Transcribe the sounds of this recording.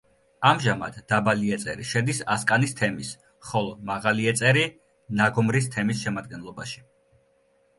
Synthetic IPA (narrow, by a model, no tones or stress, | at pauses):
amʒama̰d̪̥ːabaliɛt̪sʼɛ̰ɾiʃɛd̪isaskʼanist̪ʰɛmis | χɔlˠɔmaʁaliɛt̪sʼɛɾi | naɡɔmɾis̬t̪ʰɛmisʃɛmad̪̚ɡɛnlˠɔbaʃi̥